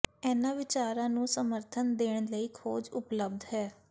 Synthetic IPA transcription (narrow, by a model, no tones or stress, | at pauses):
ɛːnãːʋɪt͡ʃaːɾãːnũːsəməɾt̪ʰənd̪eːɽ̃ləiːkʰoːd͡ʒʊpləb̚d̪ɦɛː